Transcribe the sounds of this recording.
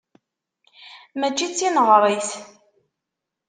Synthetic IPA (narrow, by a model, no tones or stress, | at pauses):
mæt͡ʃːit͡sːinəʁɾˤiθ